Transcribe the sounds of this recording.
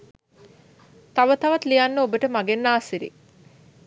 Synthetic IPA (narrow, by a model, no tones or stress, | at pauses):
t̪aʋət̪aʋat̪lijanːəobəʈəmaɡenːaːsiɾḭ